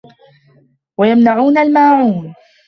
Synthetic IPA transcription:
wajamnaʕuːnalmaːʕuːn

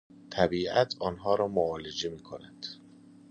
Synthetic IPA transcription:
t̪ʰæbiːʔæt̪ʰɒːnɦɒːɾɒːmoɒːled͡ʒemiːkʰonænd̪̥

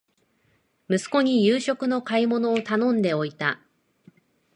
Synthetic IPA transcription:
mɯ̟sɨ̥ko̞ɲ̟ijɯːɕo̞kɯ̟no̞kaimo̞no̞ːt̪anõ̞nd̪e̞o̞it̪a

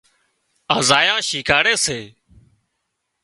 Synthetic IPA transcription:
aːzaːjãːʃiːkʰaːɽeːseː

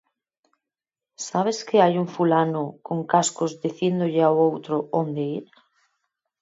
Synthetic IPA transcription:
saβ̞eskeajuɱfulanokoŋkaskozd̪iθjend̪oʎeawowt̪ɾoond̪eiɾ

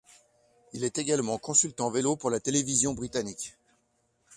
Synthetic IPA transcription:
ilɛt̪eɡalmɑ̃kɔ̃sylt̪ɑ̃velopuʁlat̪elevizjɔ̃bʁit̪anik

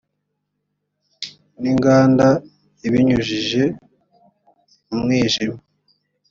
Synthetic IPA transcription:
niŋɡaːnda | iβiɲuʒiʒe̞ | umŋiːʒima

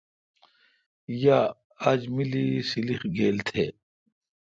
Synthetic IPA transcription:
ja | ad͡ʑmilisilixɡeːlt̪ʰeː

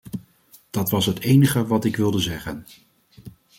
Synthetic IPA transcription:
d̥ɑtʋɑsɦətejnəχəʋɑtɪkʋɪlˠdəzɛχən

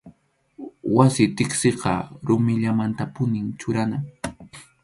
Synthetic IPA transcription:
wasɪt̪ɪksɪqɑ̰ɾʊmɪʎamant̪apʊnɪŋt͡ʃʊɾana

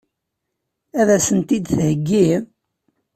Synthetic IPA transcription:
æðæsənt̪id̪θhəɡːi

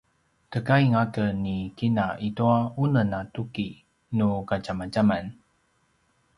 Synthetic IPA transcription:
kəkaiŋakənːikinaʔituaunənatuki | nukat͡ʃamad͡ʒaman

